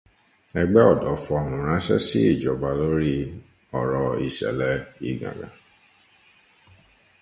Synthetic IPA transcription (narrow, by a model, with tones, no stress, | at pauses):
ɛ˧ɡ͡bɛ˦ɔ˦˨dɔ˨˦fɔ˧˨nũ˨ɾ̃ã˨˦sɛ̰˦si˦i˦˨d͡ʒɔ˨ba˧lo˦ɾi˦ | ɔ˨ɾɔ˧i˨ʃɛ̰˨lɛ˨˦ḭ˨ɡã̰˨ɡã̰˨